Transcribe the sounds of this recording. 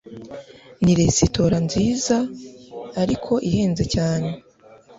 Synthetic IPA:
niɾe̞sito̞ɾanziːzaː | ɾikʰo̞ʔihe̞ːnze̞caːne̞

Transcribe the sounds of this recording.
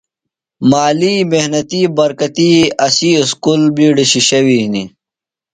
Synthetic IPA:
maːliːmehnɐt̪iːbɐɾkɐt̪iɐsiːskulbiːɖiɕiɕɐwini

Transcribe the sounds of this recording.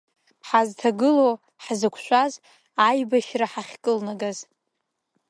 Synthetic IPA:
ħaztʰaɡɨlow | ħzɨkʷʰʃʷaz | ajbaʃraħaχʲkʼɨlnaɡaz

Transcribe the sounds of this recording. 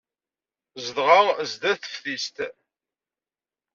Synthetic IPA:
zəðʁazd̪æθə̥fθist̪

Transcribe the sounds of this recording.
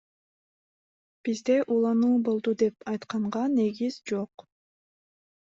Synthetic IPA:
b̥izd̪e̞ʔuːlˠɑnuːbo̞lˠd̪ud̪e̞pɑjt̪qɑɴʁɑne̞ɡizd͡ʒo̞q

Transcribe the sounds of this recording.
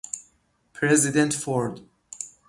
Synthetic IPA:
pʰɾɛzid̪ɛ̃nt̪fɔɹd̪

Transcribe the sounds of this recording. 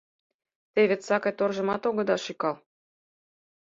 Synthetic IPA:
t̪eβʲet̪sɑkɑjt̪orʒɤ̆mɑt̪oɣɤ̆d̪ɑʃikɑlˠ

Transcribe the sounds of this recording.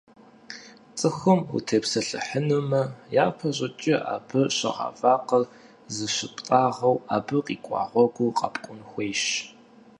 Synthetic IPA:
t͡sʼɨxɨmṵtʰepsɐɬɨ̰ħənɨmɐjaːpʰɐɕʼɪt͡ʃʼɪʔaːbɨɕɐ̰ʁa̰ːfaːqɐr | zɨɕɪpʼtʼaːʁɐwaːbɨqʼiːkʷʼɑ̰ːʁʷɔɡʷʊqʼɐ̰pʼkʷʼʊnxʷeːjʃ

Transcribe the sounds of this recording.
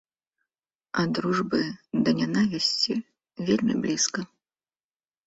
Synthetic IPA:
ɐd̪ɾuʐbɨd̪ɐnʲanavʲisʲt͡sʲi | vʲelʲmʲḭblʲiskɐ

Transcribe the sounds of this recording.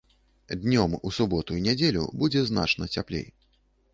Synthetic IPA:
d̪nʲɔmusubɔt̪uinʲɛd͡zʲelʲṵbud͡zʲɛzn̪a̰t͡ʂnɐt͡sʲaplʲḛj

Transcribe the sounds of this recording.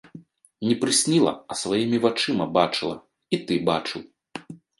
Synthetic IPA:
nʲipɾɨsʲnʲilˠɐ̰ɐsvajimʲivat͡ʂɨmɐbat͡ʂɨlˠɐ | it̪ɨbat͡ʂɨw

